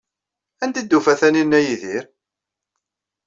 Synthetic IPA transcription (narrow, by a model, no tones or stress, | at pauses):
ænt̪id̪ːufæθæninːæjiðiɾ